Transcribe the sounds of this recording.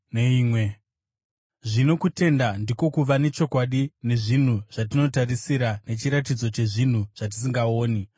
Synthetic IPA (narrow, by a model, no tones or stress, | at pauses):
neiːmwe | ʐino̞kute̞ndandiko̞kuʋane̞t͡ʃo̞kwaɗine̞ʐin̤uʐ̥at̬ino̞tarisiɾane̞t͡ʃiɾatid͡zo̞t͡ʃe̞ʐin̤uʐ̥at̬i̥s̬iŋɡao̞ːni